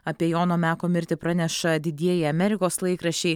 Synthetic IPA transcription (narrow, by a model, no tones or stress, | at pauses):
ɐpʲiɛjoːnoːmʲæːkoːmʲɪɾʲt̪ʲɪpɾɑnʲɛʃɐd̪ʲɪd̪ʲiɛjɪɐmʲɛɾʲɪkoːslˠɐɪkɾɐʃʲt͡ʃʲɛɪ